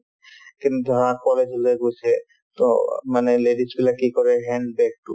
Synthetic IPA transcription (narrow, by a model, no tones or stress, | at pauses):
kinud̪ʱɔɾak̚ːɔled͡ʑuleɡot͡ɕʰe | t̪o̰maneleɖisbilakikɔɾeɦɛɳɖbɛk̚ʈṵ